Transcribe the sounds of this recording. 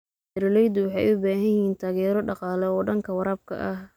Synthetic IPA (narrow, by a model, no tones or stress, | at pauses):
ɛɾɪlɛjd̪ʊwɑħɑjʊbaːɦɐjɪɦiːnt̪ʰaːɣɛːɾɔɖɑqɑːlɛɔːɖɐŋkʰɐwɑɾaːb̚kʰɐ̰ʔɐh